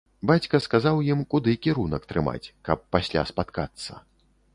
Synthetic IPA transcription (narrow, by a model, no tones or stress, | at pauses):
bat͡sʲkɐskazawjimkud̪ɨkʲiɾunɐkt̪ɾɨma̰t͡sʲkɐpːasʲlʲa̰spat̪kat̪sːɐ̰